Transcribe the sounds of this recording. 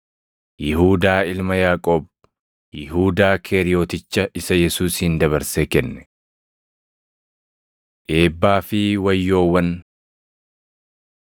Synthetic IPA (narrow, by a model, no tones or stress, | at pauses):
jɪɦuːd̪aːɪlmɐjaːkʼo̞ːb | jɪɦuːd̪aːkʰeːɾɪjo̞ːt̪ɪt͡ʃːɐʔɪsɐjɛsuːshɪnd̪ɐβɐɾsekɛnːɛ̥ | ʔe̞ːbːaːfɪwɐjːo̞ːwːɐn